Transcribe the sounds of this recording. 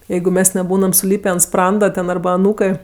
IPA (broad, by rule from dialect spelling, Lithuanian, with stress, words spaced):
ˈjɛɪɡʊ ˈmʲɛs nʲɛˈbuːnɐm sʊˈlʲiːpʲeː ɐnt ˈsprɐndɐ tʲɛn ˈɐrbɐ ɐˈnuːkɜ